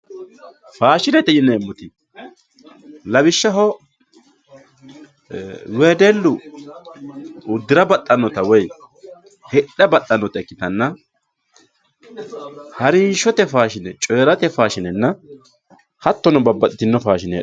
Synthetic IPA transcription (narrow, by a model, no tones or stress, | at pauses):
faːʃɪnɛt̪ɛjɪnɛmːʊt̪ɪ | lɐbɪʃːɐɦɔ | weːd̪ɛlːʊ | ʊd̪ːɪɾɐbɐt̪ʼːɐnːɔt̪ɐwɛj | hɛᶑɐbɐt̪ʼːɐnːɔt̪ɐɛkːɪt̪ɐnːɐ | hɐɾɪnʃɔt̪ɛfaːʃɪnɛt͡ʃʼe̞ːɾɐt̪ɛfaːʃɪnɛnːɐ | hɐt̪ːɔnɔbɐbːɐt̪ɪt̪ːɪnːɔfaːʃɪnɛ̰